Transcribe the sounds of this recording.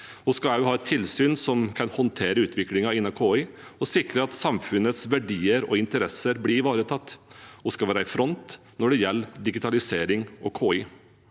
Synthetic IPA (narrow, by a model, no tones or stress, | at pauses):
ɔskɑæjʊhɑːɛt̪ʰːɪlsyːnsɔmkʰɑnhɔnt̪ʰeːɾəʉːt̪ʋɪklɪŋɑɪnːɑkʰoːɪ | ɔsɪkɾəɑt̪sɑmfʉnət̪sʋæɖiːəɾɔ̰ɪnt̪əɾɛsəɾbliːʋɑːɾət̪ʰɑt̪ːɔskɑʋæːɾæɪfɾɔnt̪ | nɔɖɛjɛlːd̪ɪɡɪt̪ʰɑlɪseːɾɪŋɔkʰoːɪ